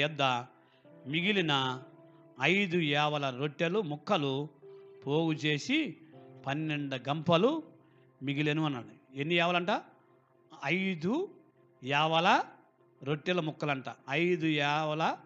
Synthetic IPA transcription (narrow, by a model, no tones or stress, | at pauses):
ɛd̪ːɐ | miɡilinɐː | jd̪uɛːʋɐlɐɾoʈːelumukʰːɐlupo̞ːɡut͡ʃe̞ːsipɐnːeɳɖɐɡɐmpɐlu | miɡilenuʋɐnːaɽienːijɛːʋɐlɐɳʈaː | ɐjd̪u | jɛːʋɐlɐ | ɾoʈːelɐmukːɐlɐɳʈaːɐjd̪ujɛːʋɐlɐ